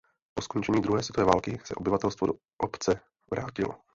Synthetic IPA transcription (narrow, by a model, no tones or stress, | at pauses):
posko̞nt͡ʃɛɲiːd̪ɾuɦɛːsvjɛt̪ovɛːvaːlkɪsɛ̰ʔo̞bɪvat̪ɛlst̪vod | ʔpt͡sɛ | vɾaːcɪlo̰